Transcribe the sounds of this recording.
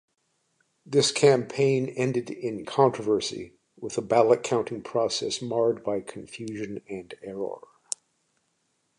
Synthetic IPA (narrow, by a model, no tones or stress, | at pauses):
ðɪskʰæ̃mpʰẽɪ̃nɛ̃ndɨɾɪ̃nkʰɑ̃ntɹ̥əvɜ˞sḭ | wəðəbælˠət̚kʰãʊ̃ntɪ̃ŋpʰɹ̥ɔsɛsmɑɹd̚baɪkʰɨ̃ɱfjʉʒɨ̃nɨ̃nɛɹɔ̰ɹ